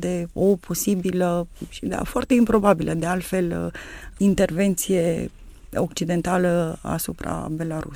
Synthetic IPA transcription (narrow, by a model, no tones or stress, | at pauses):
d̪e̞o̞pʰo̞sibiləʃid̪a̰foart̪e̞impɾo̞babilʔəd̪e̞alt̪fe̞l | int̪e̞rve̞nt̪sije̞ | ok̚t͡ʃid̪e̞nt̪aləa̰supɾa̰be̞laɾṵ